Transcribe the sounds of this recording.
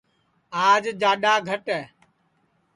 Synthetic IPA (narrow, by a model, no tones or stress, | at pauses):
aːd͡ʒd͡ʒaːɗaːɡʱəʈɛː